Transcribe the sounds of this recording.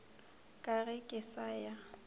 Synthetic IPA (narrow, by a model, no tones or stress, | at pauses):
kʼaɣɛkʼɪsaja